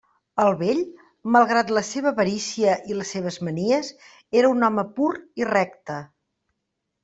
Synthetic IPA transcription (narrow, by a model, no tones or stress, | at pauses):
əlˠβeʎ | məlˠɣɾat̪ləseβ̞əβəɾisiəʔiləsːeβ̞əzməniəs | eɾəunɔməpuɾirɛk̚t̪ə